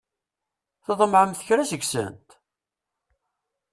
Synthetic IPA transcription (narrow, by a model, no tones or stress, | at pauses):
θəðˤəmʕəmθəçɾæsəɡsə̰nt̪